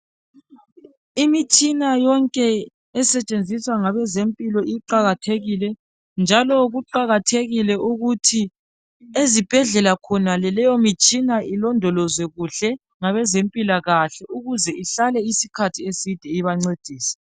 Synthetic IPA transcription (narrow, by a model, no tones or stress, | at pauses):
imit͡ʃʼinajɔŋkʼɛː | sɛt͡ʃʼend͡zʱiswaŋaβɛzempʼilɔiǃaɣatʰeɣilɛ | nd͡ʒʱalɔɣuǃaɣatʰeɣilɛʔuɣutʰi | ezib̥ʱɛɮɛlakʰɔnalɛlɛjomit͡ʃʼinaʔilɔndʱɔlɔzwɛɣuɬɛ | ŋaβɛzempʼilaɣaɬɛʔuɣuzɛʔiɬalɛisi̥kʰatʰiesid̥ʱɛiβaŋ͡ǀed̥ʱiːsɛ̥